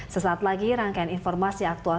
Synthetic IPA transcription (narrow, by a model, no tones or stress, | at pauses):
səsaːt̪̚laɡiɾaŋkajininfɔrmasiak̚t̪ua